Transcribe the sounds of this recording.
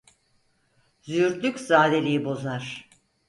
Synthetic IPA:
zyɾd̪ykʲzaːlelʲijibo̞zaɾ̥

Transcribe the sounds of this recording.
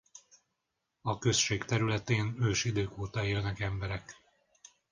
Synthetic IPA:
ɒkø̞sʃeːkt̪ɛɾylɛt̪eːnøːʃid̪øːkoːt̪ɒeːlnɛkɛmbɛɾɛk

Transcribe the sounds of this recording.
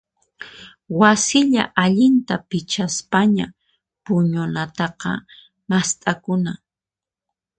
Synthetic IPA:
wasɪʎa̰ʔaʎɪnt̪apɪt͡ʃaspaɲa | pʊɲʊnat̪ɑqɑ̰ | mast̪ʼakʊna

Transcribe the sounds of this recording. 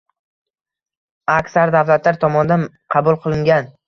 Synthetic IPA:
akʲsaɾd̪avlat̪ʰlaɾt̪ʰɒmɒnd̪anqʰɑbʊlˠqʰɨlˠɪŋɡʲan

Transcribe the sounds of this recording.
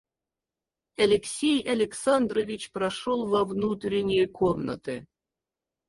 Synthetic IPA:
ɐlʲɪksʲejɐlʲɪksand̪ɾovʲit͡ɕprɐʂolˠvɐvnut̪ɾʲɪnʲɪjəkʰomnə̰t̪ɨ

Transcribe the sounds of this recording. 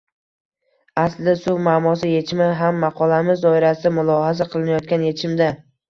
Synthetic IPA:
aslɪsʊwmaːmɒs̬ɪje̞t͡ʃʰɪmɪɦamːɑqʰɒlˠamɪzɒɪɾasɪamʊlˠɒɦasaqʰɨlˠɪnajɒt̪̚kʲanje̞t͡ʃʰɪmd̪a

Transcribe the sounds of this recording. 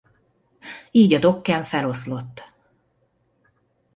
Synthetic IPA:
iːɟɒd̪o̞kːɛɱfɛlo̞slo̞t̪ː

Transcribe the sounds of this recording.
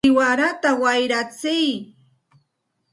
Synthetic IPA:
ɪwaɾat̪awajɾat͡sɪj

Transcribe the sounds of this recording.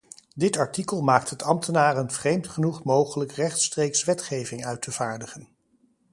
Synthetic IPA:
dɪtɑɹtikəlˠmaːk̚tɦətɑmtʰənaːrənvrejmtχənuχmowχələkrɛχtstrejksʋɛtχejvɪŋœɥtʰəv̥aːɹdəχən

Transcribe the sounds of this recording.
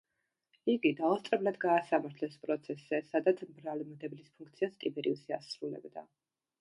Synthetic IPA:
iɡid̪aɔst̪ʼɾɛblad̪ɡaːsamaɾt̪ʰlɛspʼɾɔt̪sʰɛszɛsad̪at̪sʰmbɾalmd̪ɛblispʰuŋkʰt̪sʰiast̪ʼibɛɾḭusiasɾulɛ̰bd̪a̰

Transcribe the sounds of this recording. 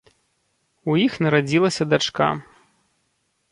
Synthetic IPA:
ujixnɐɾad͡zʲilˠɐsʲɐd̪at͡ʂka̰

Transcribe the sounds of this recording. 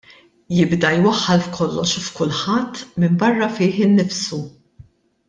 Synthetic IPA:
jɪbd̪ɐjwɐħːɐlfkʰɔlːɔʃfkʊlħɐt̪ːmɪmbɐrːɐfɪːħɪnːɪfsu

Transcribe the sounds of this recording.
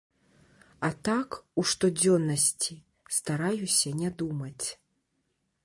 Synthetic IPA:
at̪akuʂt̪ɔd͡zʲɔnːɐsʲt͡sʲi | st̪aɾajusʲɐnʲɛd̪umɐt͡sʲ

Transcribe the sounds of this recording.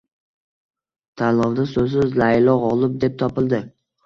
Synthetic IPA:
t̪ʰalɒvd̪asɵzsɪzlaɪlɒʁɒlˠɪp̚d̪e̞p̚t̪ʰɒpɪlˠd̪ɪ

